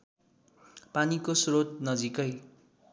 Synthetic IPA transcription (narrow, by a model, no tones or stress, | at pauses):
panikosrot̪̚nʌd͡zikʌj